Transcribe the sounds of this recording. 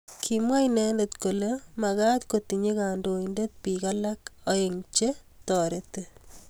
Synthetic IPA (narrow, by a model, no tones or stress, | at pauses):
kʰimwajnɛndetkolemakatkotiɲekandoindet̚pikalakɔjeŋt͡ʃetɔɾete